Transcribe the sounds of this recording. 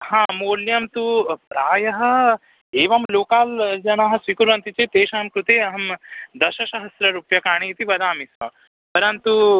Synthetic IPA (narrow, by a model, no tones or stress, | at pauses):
hãːmoːljɐmt̪upɾaːjɐɦɐ̆ | eːʋɐmloːkaːld͡ʒɐnɐɦɐ̆sʋikuɾʋɐnt̪it͡ʃeːt̪eːʃɐɦɐmkɾut̪eːɐɦɐmd̪ɐʃɐʃɐɦɐst̪ɾɐɾuːpjɐkaːɳiit̪ibɐd̪aːmisʋɐ̰ | pɐɾɐnt̪u